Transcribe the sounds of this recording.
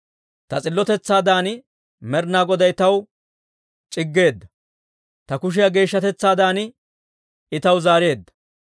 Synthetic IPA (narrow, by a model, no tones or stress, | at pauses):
t̪ɐt͡sʼɪlːɔt̪ɛt͡sːaːd̪aːn | mɛɾnaːɡɔd̪ɐjt̪ɐw | t͡ʃʼɪɡːe̞ːd̪ːɐ | t̪ɐkʊʃ̬ɪjɐɡe̞ːʃːɐt̪ɛt͡sːaːd̪aːnɪ | ɪt̪ɐwzaːɾe̞ːd̪ːɐ̥